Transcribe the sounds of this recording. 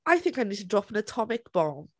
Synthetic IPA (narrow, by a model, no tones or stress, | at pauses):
aɪθɪ̃ŋkaɪniːd̚tʰədɹɔpə̃nətʰɒmɪkb̥ɔm